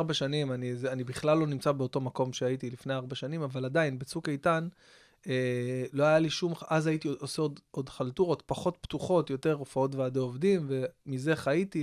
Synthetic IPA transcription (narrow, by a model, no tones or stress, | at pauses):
abaʃanimanizanibiχlalːo̞nimt͡sabeoto̞mako̞mʃeajitilifnejaʁbaʃanimavaladainbet͡sukaitan | elo̞ajaliʃumʔazajitiʔoseodo̞dχaltuʁo̞tpaχo̞tptuχo̞tjo̞te̞ʁofao̞tveadeovdimve̞mize̞χaiti